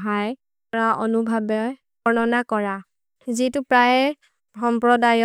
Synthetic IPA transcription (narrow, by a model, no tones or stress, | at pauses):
ɦaj | ɹaʔɔnubʱabɔj | ɔɹnɔnakɔɹa | zitʊpɹajɛ | xɔmpɹɔdajɔ